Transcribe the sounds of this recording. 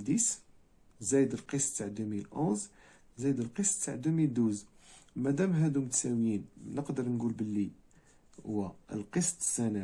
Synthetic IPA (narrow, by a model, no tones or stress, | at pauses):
d̪is | zæjəd̪əlqəsˤt̪ːaʕd̪umilʔoz | zæjd̪əlqəsˤt̪ːaʕd̪umid̪uzmæd̪æmɦæd̪umət̪sæwjinnəqd̪əɾˤnɡulbəlːi | hʊwːæəlqəsˤt̪ə̥zænæ